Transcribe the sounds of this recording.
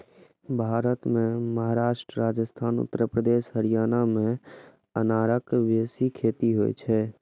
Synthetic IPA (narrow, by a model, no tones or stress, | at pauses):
bʱaːɾət̪mẽməɦaɾaːʃʈɾəɾaːd͡ʒəst̪ʰaːnʊ̰t̪ːəɾəpɾəd̪eːʃɦəɾijaːnamẽ | ənaːɾəkʋeːsikʰeːt̪iɦo̰j̰t͡ʃʰɛ